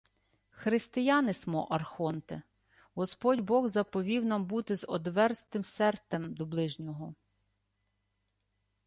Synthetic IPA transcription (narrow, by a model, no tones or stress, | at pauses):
xɾɪst̪ɪjɑnɪsmɔʔɐrxɔnt̪ɪ̰ | ɦɔspɔdʲbɔɣzɐpɔʋʲiwnɑmbut̪ɪzɔd̪ʋɛrst̪ɪmsɛrt̪sɛmd̪ɔblˠɪʒnʲɔɦɔ